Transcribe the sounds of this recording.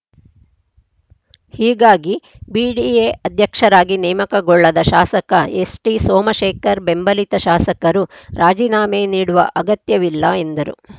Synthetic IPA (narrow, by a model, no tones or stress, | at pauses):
hiːɡaːɡi | biːɖieːʔɐd̪ʱjɐkʂɐɾaːɡinɛːmɐkɐɡɔɭːɐd̪ɐʃaːsɐkɐesʈisoːmɐʃeːkʰɐɾbe̞mbɐlit̪ɐʃaːsɐkɐɾuɾaːd͡ʒiːnaːmeːniːɽuʋɐ̰ʔɐɡɐt̪jɐʋilːɐe̞nd̪ɐɾṵ